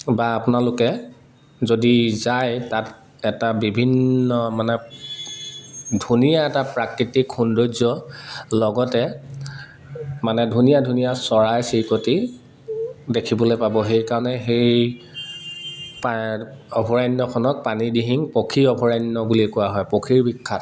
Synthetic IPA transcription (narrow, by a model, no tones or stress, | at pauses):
baːpʊnalʊkɛ | zodizajtat | ɛtabibʱinːɔmanɛ | dʱunijaɛtapɹakɹitikxundojzɔlɔɡɔtɛ | manɛdʱunijadʱunijasɔɹajsikoti | dekʰibɔlojpabɔxejkaɹɔnɛxej | paɔbʱɔɹajnːɔkʰɔnɔk̚panidiɦiŋpokʰiɹɔbʱɔɹajnːɔbulikʊaɦɔjpokʰiɹbikʰːat